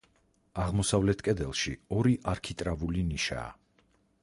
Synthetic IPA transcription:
aʁmɔsavlɛt̪ʰkʼɛd̪ɛlˠʃiɔɾiʔaɾkʰit̪ʼɾavuliniʃa̰ː

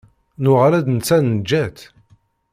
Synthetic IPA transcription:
nʊʁalæd̪nt͡sːænnd͡ʒːæt̪

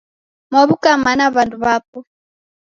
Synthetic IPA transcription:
mwaβukamanaβanduβapɔ

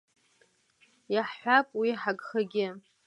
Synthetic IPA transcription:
jaħħʷapʼwiħaɡχaɡʲɪ

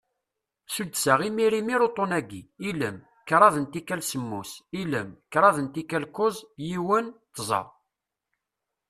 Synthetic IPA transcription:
sud̪sæʁimiɾimiɾot̪ˤːonæɡiiləm | kɾˤɑðənt̪ikːælsəmːusiləmkɾˤɑðənt̪ikælkozˤjiwənt̪ːzˤɑ̰

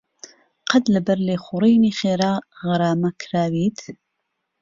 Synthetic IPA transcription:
qʰɐd̪lɐbɐɾleːxuɾiːniːxeːɾaːɣɨɾaːmɐkʰɾaːwiːt̪

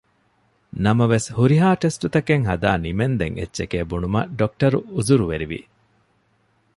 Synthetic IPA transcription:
nɐmɐʋeshuɾiɦaːʈesʈut̪ɐkeŋɦɐd̪aːnimend̪ḛŋʔḛtːʃekeːbunumɐ̰ɖok̚ʈɐɾuuzuɾuʋeɾiʋḭ

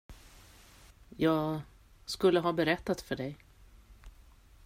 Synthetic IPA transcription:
jɑːɡ | skɵlːəɦɑːbɛɾɛt̪ːat̪fœɖɛj

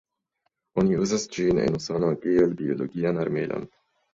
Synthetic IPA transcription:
onʲiuːzasd͡ʒiːnḛnusonoaɡielbioloɡiːanaɾmeːlʔa̰n

